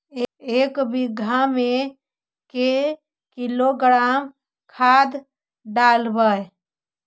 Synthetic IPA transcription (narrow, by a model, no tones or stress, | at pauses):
ekbiɡʱame | ke | kiloɡɾam | kʰad̪ | ɖalbəj